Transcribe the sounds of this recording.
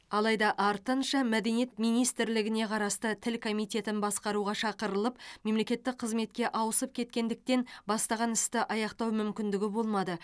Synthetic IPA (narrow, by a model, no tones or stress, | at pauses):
ɑlˠɑjd̪ɑʔɑɾt̪ənʃɑmæd̪e̞nije̞t̪mijnijst̪ɪɾlɪɡʲɪne̞qʰɑɾɑst̪ət̪ʰɪlkʰo̞mijt̪ʲe̞t̪ɪnbɑsqɑɾuʁɑʃɑqəɾəlˠəpme̞mlekʲe̞t̪ːɪk̚qʰəzme̞t̪kʲe̞ʔɑwəsəp̚kʲʰe̞t̪̚kʲe̞nd̪ɪk̚t̪e̞nbɑst̪ɑʁɑnɪst̪ɪʔɑjɑqt̪ɑwmʏmkʲɪnd̪ɪɡʲɪbo̞lˠmɑd̪ə